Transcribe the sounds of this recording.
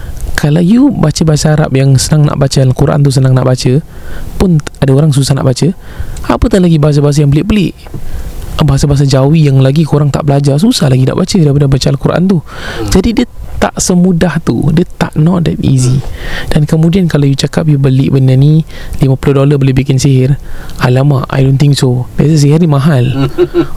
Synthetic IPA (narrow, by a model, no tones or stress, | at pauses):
kʰalawjubat͡ʃəbaɦasaaɾa̰p̚jaŋsənaŋna̰ʔbat͡ʃəalakuɾʔa̰nt̪̬us̬ənãŋna̰ʔbat͡ʃəpʊnadaoɾaŋs̬usahna̰ʔbat͡ʃə | apət̪anlaɡibaɦas̬abaɦas̬jaŋbəlɪʔ̚bəlɪʔ | baɦasabaɦas̬ad͡ʒawijaŋlaɡikuɾaŋt̪a̰ʔbəlad͡ʒars̬usahlaɡina̰ʔbat͡ʃədaipadabat͡ʃəalakuɾʔa̰nt̪ud͡ʒadidiə | t̪a̰ʔsəmudaht̪ṵdiət̪a̰ʔnɔt̪̚dɛ̰t̪ḭzid̥ankəmudiankalajut͡ʃakap̬̚jubəlɪʔbənani | limapulodolabəlɪbikɪnsiɦɪralama̰ʔa̰jdont̪ɪŋksobiasas̬iɦɪrnimãɦal